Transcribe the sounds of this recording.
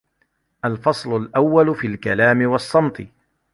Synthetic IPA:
ʔalfɑsˤlʊlʔawːalʊfilkalaːmɪwɑsˤːɑmt̪ˤɨ

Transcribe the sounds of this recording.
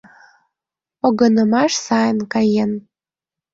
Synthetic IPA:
oɣɤ̆nə̆mɑʃsɑjənkɑjen

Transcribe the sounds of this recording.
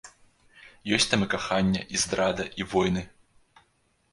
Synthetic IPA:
jɔsʲt̪amɨkaxanʲːɐʔizd̪ɾad̪ɐʔivɔjnɨ

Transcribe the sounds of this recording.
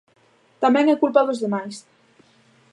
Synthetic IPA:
t̪amɛŋɛkulpaðozðemajs

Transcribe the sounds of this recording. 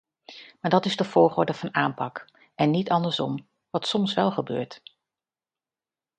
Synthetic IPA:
maːɹdɑtɪzdəv̥ʊːɹχoːɹdəv̥ɑnaːmpɑk | ʔɛnːitɑndəɹsɔm | ʋɑtsɔmsʋɛlˠχəbø̰ːɹt

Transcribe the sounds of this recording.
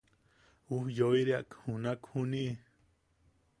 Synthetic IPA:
uhjoiɾiaʔkhũnãkʰhũnĩʔ

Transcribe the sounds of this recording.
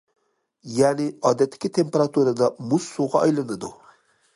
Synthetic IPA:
janiɑːd̪ɛt̪ːi̥kʲit̪ʰempeɾat̪uɾad̪ɑmusːuʁɑɑjlɑnɐd̪u

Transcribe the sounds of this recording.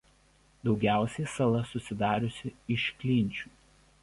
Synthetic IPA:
d̪ɒʊɡʲæˑʊsʲɛɪsɐlˠɐsʊsʲɪd̪ɑːɾʲʊsʲɪɪʃkʲlʲɪˑnʲt͡ʃʲuː

